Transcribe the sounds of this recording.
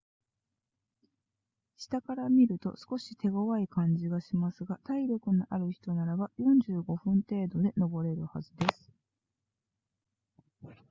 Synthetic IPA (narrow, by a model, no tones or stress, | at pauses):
ɕi̥t̪akaɾamʲiɾɯ̟t̪o̞̰sɨ̥ko̞ɕi̥t̪e̞ɡo̞βaikãɲ̟d͡ʑiɡaɕimasɨɡat̪aiɾʲjo̞kɯ̟niʔaɾɯ̟çi̥t̪o̞naɾabajõ̞ɲd͡ʑɨːɡo̞ɸɯ̟̃nt̪e̞ːd̪o̞d̪e̞no̞bo̞ɾe̞ɾɯ̟ha̰zɨd̪e̞sɨ̥